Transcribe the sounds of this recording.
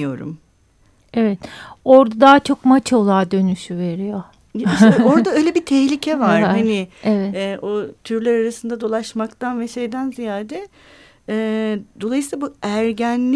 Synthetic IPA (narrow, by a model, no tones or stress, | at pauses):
jo̞̰ɾṵm | evɛt̪o̞ɾd̪ad̪aːt͡ʃʰo̞kmat͡ʃo̞lˠaːd̪ø̞nyʃyve̞ɾijo | o̞ɾd̪aøjlʲebit̪ʰɛçlʲicʰɛvaɾahanievɛt̪ɛʔot̪ʰyɾlʲæɾaɾasɯnd̪ad̪o̞lˠaʃmakt̪ʰanvɛʃejd̪ænzijaːd̪ɛ | ɛːd̪o̞lˠajsilˠabuæɾɟænlʲ